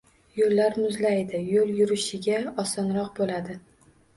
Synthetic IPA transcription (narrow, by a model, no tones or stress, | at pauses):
jolːaɾmʊzlajd̪ɪjoljʊɾɪʃɪɡʲaɒsɒnɾɒqbolad̪ɪ